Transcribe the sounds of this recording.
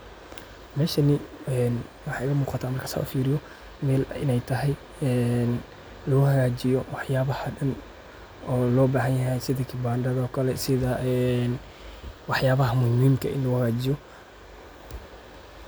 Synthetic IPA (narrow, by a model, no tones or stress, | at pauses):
mɛːʃɐnɪɛːn | wɑħɑːɪɣɐmuːqɑt̪ʰaːmɐrkʰɐ̥sa̰ːʔfiːɾɪjɔ | mɛːlɪ̰nɛjt̪ʰɐɦɛj | ɛːn | lɐɣʊhɐɣaːt͡ʃɪjɔwɑħjaːβɐhɐɖɐn | ʔɔːlɔːbaːhɐnjɐɦɛjsɪðɐkʰɪbaːnɖɐðɔːkʰɐlɛsɪðɐʔɛn | wɑħjaːβɐɦɐmʊhimiːmkʰɐ̰ʔɪ̰nlɐɣʊhɐɣaːt͡ʃɪjɔ